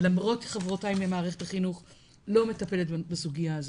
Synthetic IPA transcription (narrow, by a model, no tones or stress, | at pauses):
lamʁo̞tʃe̥χavʁotaimemaːʁeχetaχinuχ | lo̞me̞tape̞letbasuɡijaːzo